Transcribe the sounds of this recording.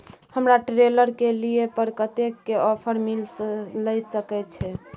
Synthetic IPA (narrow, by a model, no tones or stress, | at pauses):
həmɾaʈɾeləɾkeliepəɾkət̪ekːeɔpʰəɾmilsləjsəkɛt͡ʃʰɛ